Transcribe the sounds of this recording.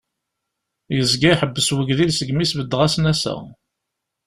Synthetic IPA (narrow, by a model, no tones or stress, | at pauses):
jəzɡæħəbːəswəɡðilsəɡmisbəd̪ːʁæsnæsæ̰